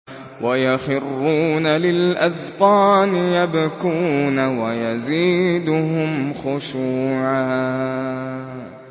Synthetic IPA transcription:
wʔajaxɪrːuːnalɪlʔaðqɑːnɪjabkuːnawajaziːd̪ʊɦʊmxʊʃuːʕaː

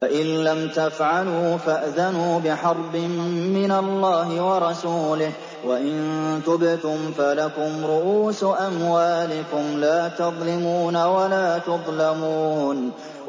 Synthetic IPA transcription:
aʔɪnːamt̪afʕaluːfaʔðanuːbɪħɑɾˤbɪmːɪnalːɑːɦɪwɑɾˤɑsuːlɪh | waʔɪnt̪ʊbɪt̪ʊmfalakʊmɾʊʔuːsʔamwaːlɪkʊmlaːt̪ɑðˤlɪmuːnawalaːt̪ʊðˤlamuːn

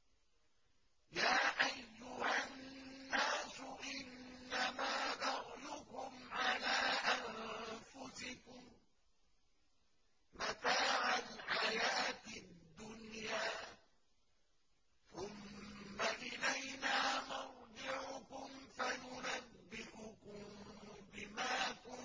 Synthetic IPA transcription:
jaːʔajːʊhanːaːsʊʔɪnːamaːdaʕlʊkʊmʕalaːʔanfʊsɪkʊm | mat̪aːʕalħajaːt̪ɪd̪ːʊnjaː | θʊmːaʔɪlajnaːmawd̪ˤɪʕʊkʊmfajʊnabːɪʔʊkʊmbɪmaːkʊ

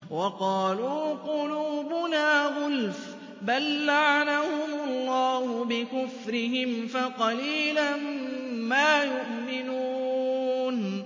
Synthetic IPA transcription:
wɑqɑːluːqʊluːbʊnaːɣʊlf | balːaʕanahʊmʊlˤːɑːhʊbɪkʊfɾɪɦɪmfaqɑliːlanmaːjʊʔmɪnuːn

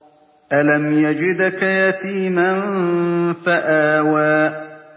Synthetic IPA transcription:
ʔalamjad͡ʒɪd̪kajat̪iːman | faʔaːwaː

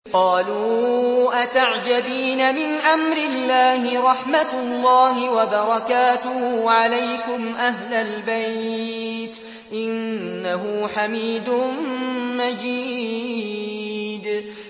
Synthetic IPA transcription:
qɑːluːʔat̪aʕd͡ʒabiːnamɪnʔamɾɪlːaːhɪɾˤɑħmat̪lˤːɑːɦɪwabɑɾˤɑkaːt̪ʊhuːʕalajkʊmʔaɦlalbaj | t̪ | ʔɪnːaɦʊːħamiːd̪ʊnmad͡ʒiː | d̪

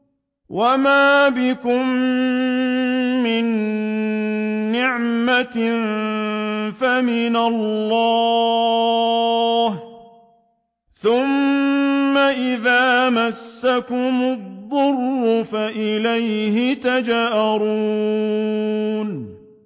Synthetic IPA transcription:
wʔamaːbɪkʊm | ɪn | ɪʕma | famɪnalːɑ | h | θʊmː | aʔɪðaːmasːakʊmʊðˤːʊrːʊfaʔɪlajhɪt̪ad͡ʒaːʔaɾu | n

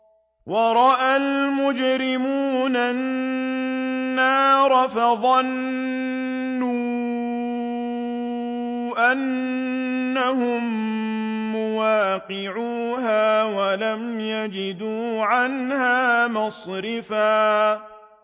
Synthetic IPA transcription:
wʔɑɾˤɑʔalmʊd͡ʒɾɪmuːna | aːɾˤɑfaðˤɑn | uː | ʔanː | ahʊmː | ʊwaːqɪʕuːɦaːwalamjad͡ʒɪd̪uːʕanhaːmɑsˤɾɪfaː

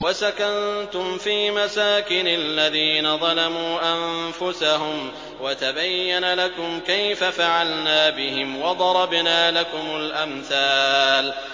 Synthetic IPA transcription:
wasakant̪ʊmfiːmasaːkɪnalːaðiːnaðˤɑlɑmuːʔamfʊsaɦʊm | wat̪abajːanalakʊmkajfafaʕalnaːbɪhɪmwɑd̪ˤɑɾˤɑbnaːlakʊmʊlʔamθaːl

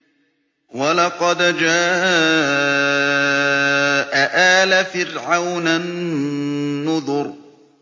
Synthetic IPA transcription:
walɑqɑd̪d͡ʒaːʔ | ʔaʔaːlafɪɾʕawnanː | ʊðˤʊɾ

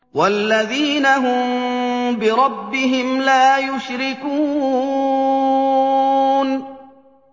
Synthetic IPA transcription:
walːaðiːnaɦʊmbɪɾˤɑbːɪɦɪmlaːjʊʃɾɪkuː | n

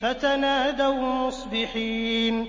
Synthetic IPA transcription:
fat̪anaːd̪awmʊsˤbɪħiːn

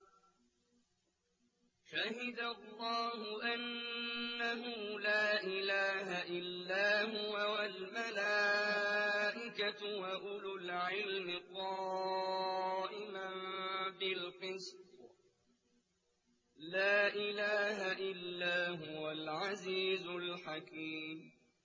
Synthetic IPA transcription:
ʃahɪd̪alˤːɑːhʊʔanː | aɦʊlaːʔɪlaːhaʔɪlːaːhʊwawalmala | ʔɪkawaʔʊlʊlʕɪlmɪqɑː | ʔɪmabɪlqɨs | laːʔɪlaːhaʔɪlːaːɦʊwalʕaziːzʊlħakiːm

